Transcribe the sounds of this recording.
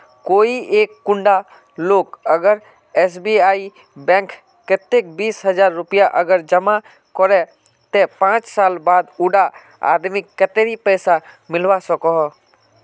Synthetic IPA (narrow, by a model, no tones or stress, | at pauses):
koːieːkːʊ̃ɳɖa | loːkəɡəɾ | ɛsbiaːi | bɛ̃ːŋk | kɪt̪ek̚biːsɦəd͡ʒaːɾːʊpijaʔəɡəɾd͡ʒəma | kɔɾɛ | t̪epãːt͡ʃsaːlbaːd̪ʊɖa | a̰ːd̪mɪkːət̪eɾipɛːsamɪlʋasəkɔɦɔ